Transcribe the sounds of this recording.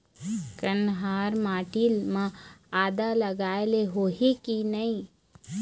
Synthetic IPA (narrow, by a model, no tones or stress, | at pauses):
kɐnɦaːɾmaːʈiːlmãaːd̪alɐɡaːeleɦoːɦikinɐĩ